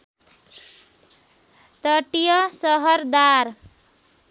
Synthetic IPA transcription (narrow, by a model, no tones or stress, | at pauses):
t̪ʌʈijʌsʌɦʌɾd̪aɾ